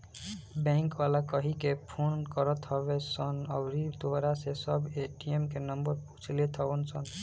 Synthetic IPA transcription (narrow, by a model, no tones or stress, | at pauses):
bɛ̃ŋkwalakəɦikepʰonkəɾət̪ɦəbesənəbɾit̪oɦɾasesəbeʈiemkenəmbəɾpu̥t͡ʃʰlet̪ʰəbənsən